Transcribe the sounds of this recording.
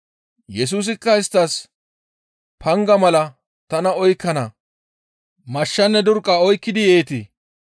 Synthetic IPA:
jɛs̬uːs̬ɪkːɐɪst̪ːɐs | pʰɐŋɡɐmɐlɐ | t̪ɐnɐɔjkːɐnɐ | mɐʃːɐnːɛd̪ʊɾkʼːɐɔjkːɪd̪ɪjeːt̪ɪ

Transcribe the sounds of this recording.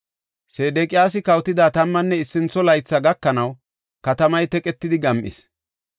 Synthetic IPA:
seːd̪eːkʼɪjaːs̬ɪkɐwt̪ɪd̪aːt̪ɐmːɐnːɛɪsːɪnt͡sːɔlɐjt͡sːɐɡɐkːɐnɐw | kɐt̪ɐmɐjt̪ɛkʼɛt̪ːɪd̪ɪɡɐmʔɪ̰s

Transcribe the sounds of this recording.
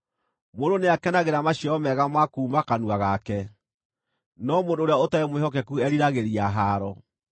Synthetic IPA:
mondoneakɛnaɣeɾamaɕɔɔmɛɣamakuːmakanuaɣakɛ | nɔmoːndoːɾeaotaemwehɔkɛkuɛɾiɾaɣeɾiaɦaːɾɔ

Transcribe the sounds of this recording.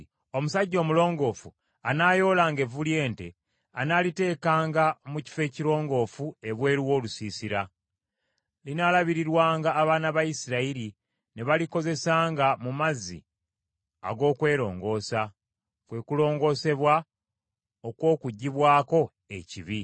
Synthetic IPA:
o̞musaɟːo̞ːmulo̞ːŋɡo̞ːfu | anaːjo̞ːlaːŋɡe̞vulje̞ːnte̞ | anaːlite̞ːkaːŋɡamuci̥fe̞ːciɾo̞ːŋɡo̞ːfue̞βwe̞ːɾiwo̞ːlusiːsiɾa | linaːlaβiɾiɾwaːŋɡaːβaːnaβajisiɾaiɾi | neβaliko̞ze̞saːŋɡamumazḭ | a̰ɡo̞ːkwe̞ːɾo̞̰ːŋɡo̞ːsa | kwe̞kulo̞ːŋɡo̞ːse̞βwa | o̞kwo̞ːkuɟːiβwaːko̞ | e̞̰ciβi

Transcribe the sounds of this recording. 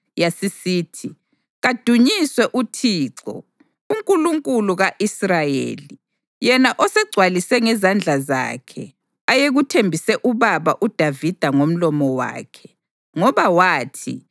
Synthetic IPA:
jasisiːtʰi | ɣad̥ʱuɲiswɛʔutʰiːǀɔ̰ | uŋkʼuluŋkʼuluɣaʔisrajḛːli | jɛnaʔɔsɛɡ͡ǀʱwalisɛŋɛzand͡ɮʱaza̰ːkʰɛ̰ | ajeɣutʰembʱisɛʔuβaβaʔud̥ʱavid̥ʱaŋom̩lɔmɔwa̰ːkʰɛ | ŋɔβawaːtʰḭ

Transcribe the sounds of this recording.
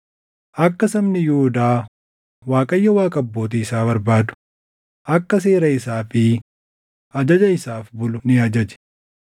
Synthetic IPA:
ʔɐkːɐsɐmnɪjuʊd̪aː | waːkʼɐjːɐwaːkʼɐbːo̞ːt̪iɪsaːbɐɾbaːd̪ʊ̥ | ʔɐkːɐs̬e̞ːɾɐɪsaːfɪ | ʔɐd͡ʒɐd͡ʒɐɪsaːfbʊlʊnɪɐd͡ʒɐd͡ʒɛ̥

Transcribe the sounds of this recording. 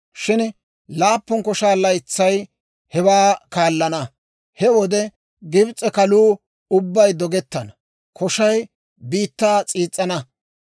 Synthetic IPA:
ʃɪn | laːpːɔnkɔʃaːlɐjt͡sːɐj | hɛwaːkaːlːɐnɐ | hɛwɔd̪ɛ | ɡɪbt͡sʼːɛkɐluː | ʊbːɐjd̪ɔɡɛt̪ːɐnɐ | kʰɔʃɐj | biːt̪ːaːt͡sʼiːt͡sʼːɐnɐ

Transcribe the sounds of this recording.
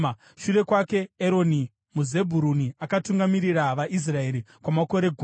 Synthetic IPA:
ʃure̞kwake̞ːɾo̞ni | muze̞bʱuɾuniakatuŋɡamiɾiɾaʋaʔis̬rae̞ɾikwamako̞ɾe̞ɡʱu

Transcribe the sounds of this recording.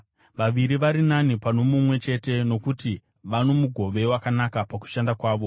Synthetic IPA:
ʋaʋiɾiʋaɾinanipano̞mumwe̞t͡ʃe̞te̞no̞kuti | ʋano̞muɡʱo̞ʋe̞wakanakapaku̥ʃandakwaːʋo̞

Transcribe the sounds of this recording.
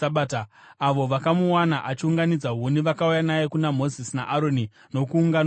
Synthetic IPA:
aɓaːtaː | ʋo̞ʋakamuwanaʔat͡ʃiuŋɡanid͡zaɦuniʋakaujanajekunam̤o̞zisina̰ʔaɾoni | no̞kuːŋɡan

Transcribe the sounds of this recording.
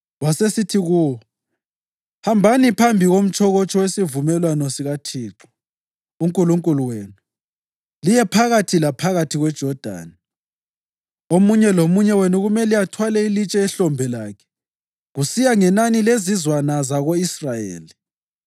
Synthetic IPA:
wasesitʰiɣuwɔ | hambʱanipʰambʱiɣom̩t͡ʃʰʼɔɣɔt͡ʃʼʰɔwesivumɛlwanɔsiɣatʰiːǁɔ̥ | uŋkʼuluŋkʼuluweːnu | lijɛpʰaɣatʰilapʰaɣatʰiɣwɛd̥ʒ̥ʱɔd̥ʱa̰ːni | omuɲɛlomuɲɛwenuɣumɛliatʰwalɛilit͡ʃʼɛɛɬɔmbʱɛlakʰɛ̥ | ɣusijaŋɛnanilezizwanazaɣoisrajḛːli

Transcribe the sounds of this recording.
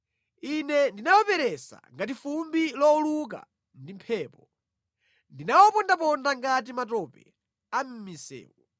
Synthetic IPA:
inɛndinawɔpɛɾɛsa̰ŋɡat̬ifumbilɔuluk̬a̰ | ndimpʰɛːpɔ | ndinawɔpɔndap̬ɔndaŋɡat̬imatɔpɛ | am̩misɛ̰ːwɔ

